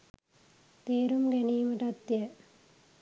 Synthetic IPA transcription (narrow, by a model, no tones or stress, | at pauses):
t̪eːɾumɡeniːmɐʈɐt̪jɐ